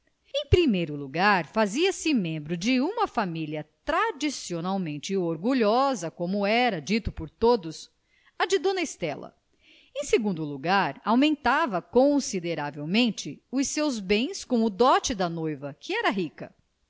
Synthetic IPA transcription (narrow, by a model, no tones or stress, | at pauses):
ẽj̃pɾimejɾʊluɡaɾfaziɐsɪmẽmbɾʊd͡ʒɪũmɐfamiliɐt̪ɾad͡ʒisionawmẽnt͡ʃɪoɾɡuʎɔzɐkõmʊɛɾɐd͡ʒit̪ʊpʊɾt̪od̪ʊs | ɐd͡ʒɪd̪õnɐest̪ɛlɐ̰ | ẽj̃seɡũnd̪ʊluɡaɾawmẽnt̪avɐkõsid̪eɾavewmẽnt͡ʃɪʊsewzbẽj̃skõw̃ʊd̪ɔt͡ʃɪd̪ɐnojvɐkʰɪɛɾɐɦikɐ̰